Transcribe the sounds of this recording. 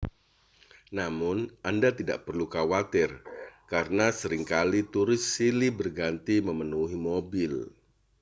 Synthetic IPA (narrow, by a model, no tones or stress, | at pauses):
namʊnʔandat̪ida̰ʔpərlukawat̪ɪrkaɾənasəɾɪŋkalit̪uɾɪsːilibərɡant̪iməmənuɦimobɪl